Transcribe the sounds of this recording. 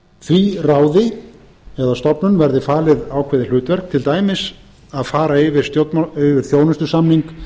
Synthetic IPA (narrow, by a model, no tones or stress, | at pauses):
θviraːwðɪ | ɛðast̪ɔpnʏnvɛɾðɪfaːlɪðaːwkʰvɛðɪl̥ʏːt̪vɛɾ̥k̚t̪ʰɪlt̪aːjmɪs | aðfaːɾaɪvɪɾ̥st̪jot̪ʏvɪɾ̥θjoːwnʏst̪ʏsamniŋk